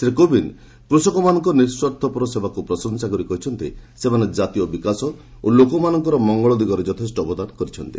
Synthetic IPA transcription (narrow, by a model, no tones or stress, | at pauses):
sɾekobin | kɾusɔkɔmanɔŋkɔniɾswɔt̪ʰːɔpɔɾɔsebakupɾɔsɔnsakɔɾikɔɦit͡ʃʰɔnt̪isemaned͡ʒat̪ijɔbikasɔ | olokɔmanɔŋkɔɾɔmɔŋɡɔɭɔd̪iɡɔɾɔd͡ʒɔt̪ʰesʈɔbɔd̪ankɔɾit͡ʃʰɔnt̪ḭ